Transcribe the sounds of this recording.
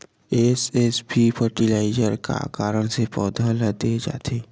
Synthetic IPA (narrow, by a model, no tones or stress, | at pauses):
eːsesbʱipʰəɾʈilaːɪd͡ʒəɾka̰kaːɾəɽ̃sepɔːd̪ʱaləd̪eːd͡ʒa̰ːt̪ʰeː